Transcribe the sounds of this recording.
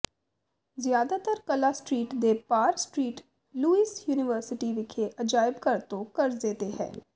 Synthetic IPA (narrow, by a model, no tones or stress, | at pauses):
zjaːd̪at̪əɾkɐlasʈɾiːʈd̪eːpaːɾksʈɾiːʈ | luːiːsjuːnɪʋəɾsɪʈiʋɪkʰeʔɐd͡ʒaːɪbkɐɾt̪õkɐɾd̪eːt̪eɦɛ̰̃ː